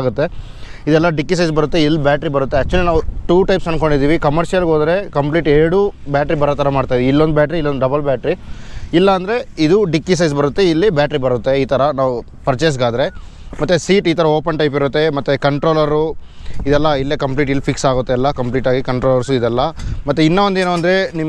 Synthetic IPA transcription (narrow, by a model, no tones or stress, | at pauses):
ɡut̪ːe̞ | id̪ɛlːɐɖikːis̬ɐjsbɐɾut̪ːe̞ilːibaːʈɐɾibɐɾut̪ːe̞ːk̚t͡ʃuɐlinaːʋuʈuːʈɐjpsɐnko̞ɳɖid̪iːʋikɐmɐɾʃijɐlɡoːd̪ɐɾe̞kɐmpliːʈeːɾɽubaːʈɾibɐɾɔːt̪ʰɐɾɐmaːɖt̪aːjʋiilːond̪ubjaːʈɐɾiːlːond̪ɖɐbɐlbjaːʈɾiilːɐɐnd̪ɐɾe̞id̪uɖikːis̬ɐjsbɐɾut̪ːe̞ilːibjaːʈɾibɐɾut̪ːe̞iːt̪ʰɐɾɐnaːʋu | pɐɾt͡ʃes̬ɡaːd̪ɐɾe̞ | mɐt̪ːesiːʈiːt̪ʰɐɾɐoːpɐnʈɐjp̬iɾut̪ːe̞mɐt̪ːekɐɳʈɾo̞ːlɐɾu | id̪ɛlːɐilːekɐmpliːʈilːpʰiksaːɡut̪ːeɐlːɐkɐmpliːʈaːɡikɐɳʈɾoːlɐɾsuid̪ɛlːɐmɐt̪ːeinːɐʋond̪eːnuɐnd̪ɐɾe̞nim